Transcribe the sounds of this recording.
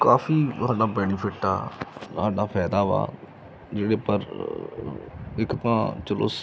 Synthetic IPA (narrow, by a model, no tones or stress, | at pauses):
kaːpʰiːsaːɖaːbɛːnɪpʰɪʈa̰ːsaːɖaːpʰɛːd̪aːʋa̰ː | d͡ʒeːɽeːpəɾ | ɪkt̪ãːt͡ʃəlo̰ː